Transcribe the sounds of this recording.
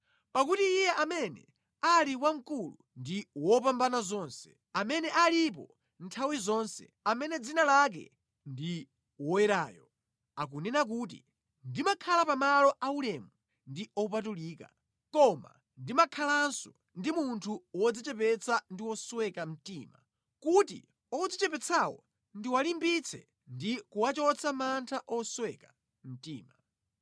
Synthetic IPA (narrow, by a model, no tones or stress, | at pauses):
pak̬utiːjɛʔamɛnɛ̰ | aliwaŋ̩kulṵ | ndiwɔpambanazɔːnsɛ̥ | amɛnɛʔalip̬ɔ | ntʰawizɔːnsɛ̰ | amɛnɛd͡zinalak̬ɛ̰ | ndi | wɔjɛɾaːjɔ | ak̬unɛnak̬uːt̬ḭ | ndimakʰalapamalɔʔaulɛmu | ndiɔp̬at̬uliːka̰ | kɔma̰ | ndimakʰalansɔ | ndimuntʰuwɔd͡zit͡ʃɛpɛt͡sʰandiwɔswɛkam̩tiːma̰ | kutḭ | ɔd͡zit͡ʃɛpɛt͡sʰawɔ̰ | ndiwalimbit͡sʰɛ̰ | ndikuwat͡ʃɔt͡sʰamantʰaʔɔswɛka | m̩tḭːma